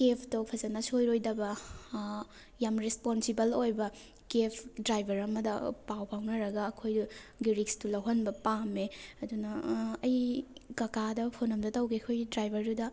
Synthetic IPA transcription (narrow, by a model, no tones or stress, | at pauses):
kepʰtopʰɐzɐnɐsojɾojdɐbɐ | jamɾesponsibɐlojbɐ | kepʰdɾajbʱɐɾɐmɐdɐ̰pawpʰawnɐɾɐɡɐːkʰojduɡiɾikstulɐwɦɐnbɐpameɐdunɐɐjkɐkadɐpʰonɐmdɐtɐwɡiɐkʰojdɾajbʱɐɾdudɐ